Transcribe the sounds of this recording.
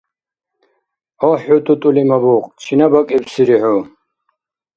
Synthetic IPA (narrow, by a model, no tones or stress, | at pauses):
ɔħut̪ʼut̪ʼulimabuqʼt͡ʃʰinabakʼipsiɾiħu